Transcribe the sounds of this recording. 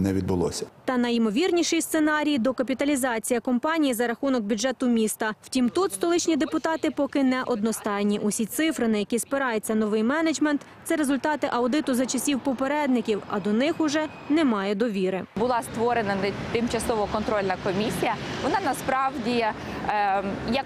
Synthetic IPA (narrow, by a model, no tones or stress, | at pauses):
nɛʋʲid̪̚bʊlˠɔ̰sʲɐ̥t̪ɐnɐjmɔʋʲirnʲiʃɪjst̪senɑɾʲijd̪ɔkɐpʲit̪ɐlʲizɑt͡sʲijɐkɔmpɑnʲijizɐɾɐxunɔk̚bʲʊd͡ʒɛt̪ʊmʲist̪ɐw̥tʲimt̪ut̪st̪ɔlˠɪt͡ʃnʲid̪epʊt̪ɑt̪ɪpɔkɪnɛʔɔd̪nɔst̪ɑjnʲiʔusʲit̪sɪfɾɪnɐjɐkʲispɪɾɑjet͡sʲːɐnɔʋɪjmɛned͡ʒmɛnt̪t̪sɛɾezʊlʲt̪ɑt̪ɪʔɐwd̪ɪt̪ʊzɐt͡ʃɐsʲiwpɔpeɾɛd̪nɪkʲiwɐ̰d̪ɔnɪxʊʒɛ | nɛmɑjɛd̪ɔʋʲiɾɪbʊlˠɑst̪ʋɔɾenɐt̪ɪmt͡ʃɐsɔʋɔkɔnt̪ɾɔlʲnɐkɔmʲisʲijɐʋɔnɑnɐspɾɑwdʲi | jɐk